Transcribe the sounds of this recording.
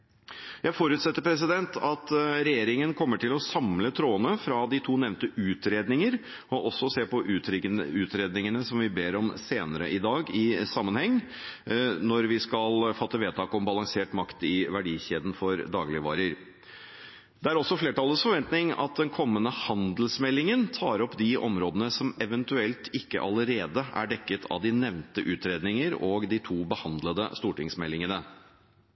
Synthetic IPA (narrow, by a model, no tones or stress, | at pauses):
jæɪfoɾʉːt̪sɛt̪ːəɾpʰɾɛs̬ɪd̪ɛnt̪ʰɑt̪ɾɛjeːɾɪŋənkʰɔmːəʈʰɪlɔsɑmlət̪ʰɾoːənəfɾɑd̪ɪt̪ʰuːnɛʋnt̪əʔʉːt̪ɾeːd̪nɪŋəɾ | ɔʔɔsːɔseːpɔʔʉːt̪ɾeːd̪nɪŋənəsɔmʋɪbeːɾɔmseːnəɾə̰ʔɪd̪ɑːɡɪsɑmːənhɛŋː | nɔɾʋɪskɑlfɑt̪ːəʋeːt̪ɑːkɔmbɑlɑŋseːʈmɑkt̪ɪʋæɖiːçeːd̪n̩fɔɾd̪ɑːɡlɪʋɑ̰ːɾəɾ | d̪̥ɛæɾɔsːɔfleːʈɑləsfɔɾʋɛnt̪nɪŋɑ̰t̪̚d̪ɛnkʰɔmːənəhɑnd̪l̩smɛlːɪŋənt̪ʰɑːɾɔpːd̪ɪʔɔmɾoːd̪ənəsɔmɛʋənt̪ʉɛlt̪ʰɪkːə̰ʔɑləɾeːd̪əæ̰ɖɛkːət̪ʰɑ̰ʋd̪ɪnɛʋnt̪əʔʉːt̪ɾeːd̪nɪŋəɾoːɡd̪ɪt̪ʰuːbəhɑnd̪ləd̪ə̰st̪uːʈɪŋsmɛlːɪŋənə